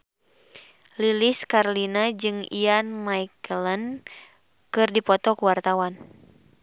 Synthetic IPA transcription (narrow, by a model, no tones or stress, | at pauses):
liliskaɾlinad͡ʒɨŋḭanmajkələn | kɨrdipɔt̪ɔkuwart̪awan